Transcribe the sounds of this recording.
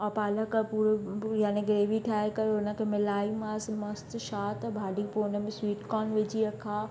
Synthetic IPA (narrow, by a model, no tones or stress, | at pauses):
ɔːpaːləkpuːɾjaːneɡɾeːʋiʈʰaːekɐɾʊnə̆kʰemɪlaːimãsmɐst̪ʃaːt̪bʱaːɖiponə̆mẽswiːʈkɔːnʋed͡ʑiɐkʰaː